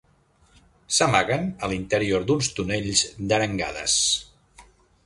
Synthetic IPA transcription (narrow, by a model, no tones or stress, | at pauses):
səmaɣənəlint̪əɾioɾd̪unst̪uneʎzd̪əɾəŋɡa̰ðə̰s